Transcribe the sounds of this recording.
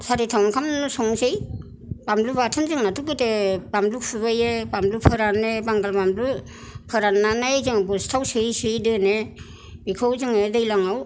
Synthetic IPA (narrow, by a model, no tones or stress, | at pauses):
saɾitʰawnkʰamusɔŋsɯj | bamlubatʰɯnzɯŋnatʰukɯtebamlukpʰɯbajebamlupʰɯɾanebaŋɡalbamlu | pʰɯɾanːanajzɯŋabɔstʰawsɯjsɯjdɯne | bikʰɔwzɯŋedɯjlaŋaw